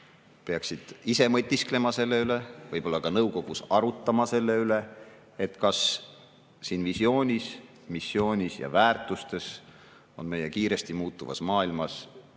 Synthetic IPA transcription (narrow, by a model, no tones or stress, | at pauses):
peɑksid̪̥ise̞mɤt̪ʲːiskle̞mɑse̞lːe̞yle̞vɤjb̥o̞lːɑkɑnɤwko̞ɡ̥usɑɾut̪ːˑɑmɑse̞lːe̞yle̞ | et̪ːˑkɑs | siːnvisjo̞ːnʲis | misːjo̞ːnʲisjɑ̰væːrt̪ˑust̪e̞s | o̞̰nme̞je̞kiːɾe̞st̪imuːt̪ːˑuvɑ̰smɑːilmɑs